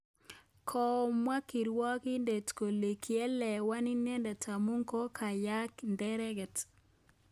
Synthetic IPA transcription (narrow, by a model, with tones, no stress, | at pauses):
kʰɔ˨mwa˦ki˨ɾwɔ˦ki˦nde˨tko˨le˨kʰjɛ˦lɛ˨wa˦ni˦nɛ˦ndɛ˨tʰa˨mu˦ŋkɔ˦kʰa˨ja˦kndɛ˦ɾɛ˦ɡɛ˨t